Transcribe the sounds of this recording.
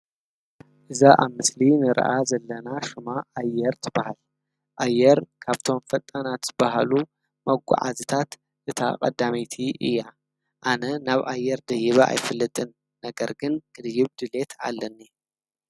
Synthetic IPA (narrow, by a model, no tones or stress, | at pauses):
ʔɨzaʔaβmɨslinɨɾɐ̰ʔazɐlːɐnaʃɨmaajːɛɾt̪ʰɨbahal | ʔajːɛɾkʰaβt̪ʰo̞mfɐt̪ʼanat̪z̥ɨbaɦalu | mɐɡʷa̰ʕa̰zɨt̪ʰat̪ | ʔɨt̪ʰa̰kʼɐ̰d̪ːamit̪ʰiʔɨ̰jːa | ʔanɐnaβʔajːɛɾd̪ɐjɪβɐʔa̰jfɨlːɨt̪ʼɨnː | ɐɡɐɾɡɨnɡʰʼɨd̪jɪβd̪ɨle̞t̪ʰa̰lːɐnːi